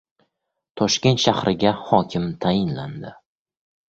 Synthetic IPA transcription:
t̪ʰɒʃkʲe̞nt̪ʃahɾʔɪɡʲahɒkʲʰɪmt̪ʰajɪnland̪ɪ

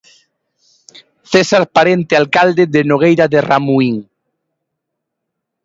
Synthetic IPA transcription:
θesaɾpaɾent̪ealkald̪eðenoɣ̞ejɾaðeramuiŋ

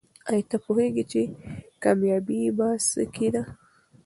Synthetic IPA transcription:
ajit̪apoheɡit͡ʃekamjɑbibaskʰid̪a

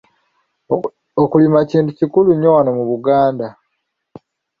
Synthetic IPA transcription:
okulimaciːntucikuluɲowanomuβuɡaːnda

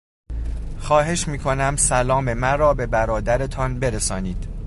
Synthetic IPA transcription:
xɒːɦe̞ʃmiːkʰo̞næmsælɒːme̞mænɾɒːbe̞bæɾɒːd̪æɾe̞t̪ʰɒnbe̞ɾesɒːniːd̪̥

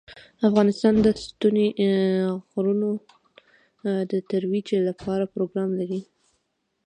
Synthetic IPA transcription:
afɣɑnɪst̪ɑnd̪əst̪une | ɣɾuno | d̪ət̪aɾwid͡ʒelapʰɑɾapɾoɡɾɑmlaɾi

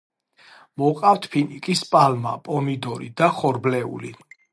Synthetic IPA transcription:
mɔqʼaft̪ʰpʰinikʼispʼalma̰pʼɔmid̪ɔɾḭd̪aχɔɾblɛṵli

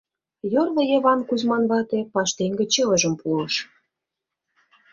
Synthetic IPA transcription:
jorβɤ̆jeβɑnkuzmɑnβɑt̪epɑʃt̪eŋɡĕt͡ɕelə̆ʒə̆mpulɤ̆ʃ

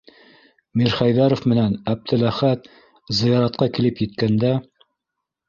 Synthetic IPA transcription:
miɾχæjðɑɾŏfmɘ̆nænæb̚t̪ʰɘlæχæt̪̚ | zɤ̆jɑɾɑt̪̚qɑkilɘpjɘ̆t̪̚kænd̪æ

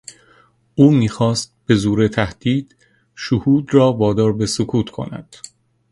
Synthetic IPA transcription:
ʔuːmiːxɒːst̪̚b̥e̞zuːɾet̪ʰæhd̪̥iːd̪̥ | ʃohuːd̪rɒːvɒːd̪ɒːɾbesokʰuːt̪ʰkʰo̰næ̰d̪̥

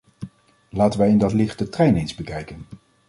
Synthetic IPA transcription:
laːtənʋəɪndɑtlɪχt̚dətrɛjnejnzbəkɛjkən

